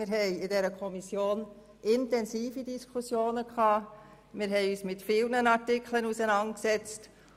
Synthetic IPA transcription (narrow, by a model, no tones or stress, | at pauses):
mɪɾɦɛɪɪdɛːɾəkʰɔmisjoːn | ʔɪntɛnsiːfidiskʰusjoːnəkʰɑː | mɪɾɦɛɪyːsmɪtfiːlnənɑɾtɪkʰlənusənɑntksɛt͡st